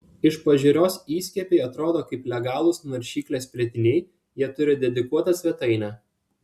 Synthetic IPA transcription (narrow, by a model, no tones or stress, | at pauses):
ɪʃpɐʒʲɪɾʲoːsiːsʲkʲɛpʲeɪɐt̪ɾoːd̪oːkɐɪplʲɛɡɑːlˠʊsnɐɾʲʃʲiːklʲeːspʲɾʲiɛt̪ʲɪnʲɛɪ | jiɛt̪ʊɾʲɪd̪ʲɛd̪ʲɪkuɔt̪ɐsʲʋʲɛt̪ɐɪnʲɑ